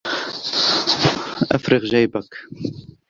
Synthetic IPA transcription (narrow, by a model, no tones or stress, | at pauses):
ʔafɾɨɣʒajbak